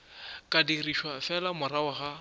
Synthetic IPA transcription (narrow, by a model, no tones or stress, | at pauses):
kʼadiriʃwafɛlamʊɾawaɣa